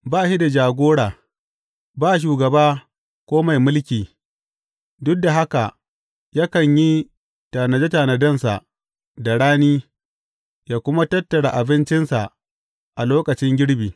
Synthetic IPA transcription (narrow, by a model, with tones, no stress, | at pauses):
baː˦˨ʃi˦da˨d͡ʒaː˨ɡʷoː˦ɽaː˨ | baː˦˨ʃ̬uː˨ɡɐ˨baː˦ | kʷoː˦ma˨jmʊ˦lkʲiː˨ | dʊ˦k̚da˨ɦa˦ka˨ | ja˦kɐ˨ɲji˦ | taː˨nɐ˨d͡ʒe˦ta˨nɐ˨dɐ˦˨nsa̰˨ʔ | da˨ɽaː˦niː˦ | jaː˦˨kʷʊ˦ma˦tɐ˦tːɐ˨ɽa˨ʔa˨bɪ˦nt͡ʃɪ˦nsa˨ | ʔa˨loː˦kɐ˨t͡ʃɪ˦ŋɡʲɪ˦ɽbiː˨